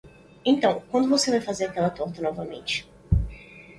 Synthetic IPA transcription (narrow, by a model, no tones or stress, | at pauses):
ẽt̪ɐ̃w̃kwɐ̃nd̪ʊvosevajfazeɾɐakɛlɐt̪oɾt̪ɐnɔvɐmḛ̃nt͡ʃɪ̥